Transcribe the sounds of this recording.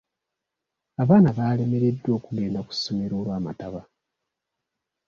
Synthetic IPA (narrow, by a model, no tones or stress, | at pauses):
aβaːnaβaːle̞me̞ɾe̞dːwo̞ːkuɡe̞ːndaku̥sːo̞me̞ɾo̞ːlwaːma̰taβa